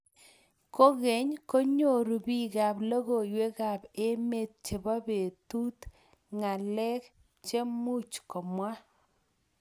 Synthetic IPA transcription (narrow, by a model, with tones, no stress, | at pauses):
ko˦ɣe˨ɲko˦ɲo˦˨ɾu˨bi˦ɡa˨blo˦ɣo˨jwe˦ɣa˨pe˦me˦˨t̪̚t͡ʃe˨ba˦be˨tu˦t | ŋa˨lɛ˦k | t͡ʃe˦mu˦˨t͡ʃko˨mwa˦